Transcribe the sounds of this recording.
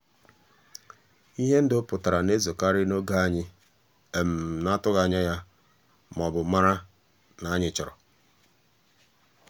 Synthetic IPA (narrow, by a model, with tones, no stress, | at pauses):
i˦ɦe˦n̩˦dʊ˦pʊ˨ta˨ɾa˨ne˦zo˨ka˦ɾɪ˦no˦ɡa˦a˦ɲɪ˦ | e˨m̩˨na˦tʊ˦ɣa˨ɲa˦ja˦ | m˨ɔ˨bʊ˨˦ma˦ɾa˦ | na˨˦ɲɪ˨t͡ʃɔ˨ɾɔ̰˨